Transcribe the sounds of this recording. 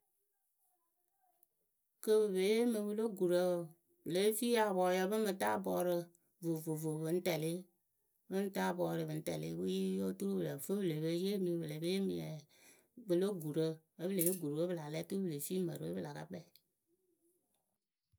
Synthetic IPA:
kə˦bə˨bə˨˦je˦mɨ˨bɨ˦lo˦ɡu˨ɾə˦˨ | bə˨le˨˦fi˦ja˨bɔ˨˦jɛ˨˦bɨ˦mɨ˨ta˦bɔː˨˦ɾɨ˧ | vo˨vo˨vo˨bɨ˨˦n̩˦tɛ˨le˦ | bɨ˦n̩˦ta˦bɔː˨˦ɾɨ˨βɨ˨n̩˦tɛ̰˨lḛ˦wu˦ji˦jo˦tu˦ɾu˦bə˨lə˨fə˦bə˨le˨bə˦je˦mĩ˨bə˨le˨be˦je˦mi˨jɛ̰˨ | bɨ˨lo˦ɡu˨ɾə˦ | ə˦bə˦le˨e˦ɡu˨ɾwə˦bɨ˦la˨lɛ˦tu˦bɨ˦˨le˨fiː˦mə̰˨ɾɨ˨˦ə̰˦ɨ˦la˨ka̰˦k͡pɛ˨

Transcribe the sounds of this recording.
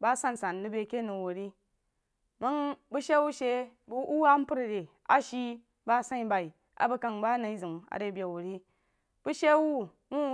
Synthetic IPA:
ba˦sa˦˨n˨sa˨nːɨ˦be˨ke˦nu˨wo˨ɾi˦ | ma˦ŋbu˦ʃe˦wu˦ʃe˦bu˦a˦m˦pu˦ɾɾe˨ | a̰˨ʃi˦ | ba˦sa˦i˨ba˨i˨ | a̰˨bu˦ka˨ŋba˦na˨i˦zɨ˨ma̰˨ɾe˦bʲje˨wo˨ɾi˦ | b̥u˦ʃe˦wu˦ | wu˦

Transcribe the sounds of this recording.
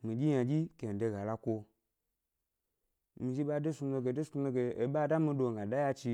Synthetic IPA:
mi˨d͡ʒʲi˦ja˨d͡ʒʲi˦ke˨n̩˨de˧ɡa˨la˧kʷo˧ | mi˨˧ʒi˦ɓa˦de˦su˧m˦ne˧ɡe˧˨de˦su˧e˧ɡe˧e˨ɓa˦˨da˦mi˧do˧ŋ˨ɡa˨da˦ja˧t͡ʃi˧

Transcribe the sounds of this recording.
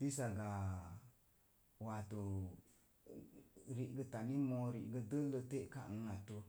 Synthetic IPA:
ti˦s̬a˧ɡa˨ | wat̪u˨ | ɾi˨ʔɡə˧ta˨ni˦mo˧ɾi˨ʔɡə˧də˦lə˧t̪e˦ʔka̰˨ʔŋa˨t̪u˧

